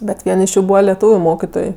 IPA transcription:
bʲɛt ˈʋʲiɛn ɪʃ ˈjuː ˈbuːʋɐ lʲɛˈtuːʋʲʊ ˈmoːkʲɪtoːj

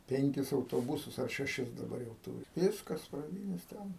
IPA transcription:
ˈpʲɛŋʲkʲɪs ɐʊtoːˈbʊsʊs ɐr ʃʲɛˈʃʲɪs dɐˈbɐr jɛʊ ˈtuːrʲɪ ˈʋʲɪskɐs prɐˈdʲiːnʲeːs ˈtʲɛn

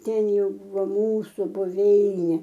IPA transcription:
ˈtʲɛn ˈjɛʊ ˈbuːʋoː ˈmuːsʊ bʊˈʋʲɛɪnʲeː

